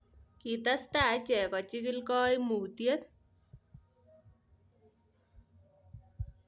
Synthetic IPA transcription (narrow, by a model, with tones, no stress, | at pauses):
ki˨t̪a˦st̪a˨t͡ʃɛ˨kɔ˨t͡ʃikilkɔ˦jmuː˨t̪je˦t̪